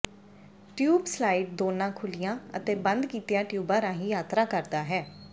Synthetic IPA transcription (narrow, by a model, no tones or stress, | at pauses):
ʈjuːbslaːiːʈ̚d̪oːnãːkʰʊlɪjãːə̰t̪eːbənd̪kiːt̪ɪjãːʈjuːbaːɾãːɦĩːjaːt̪ɾaːkəɾd̪aːɦɛː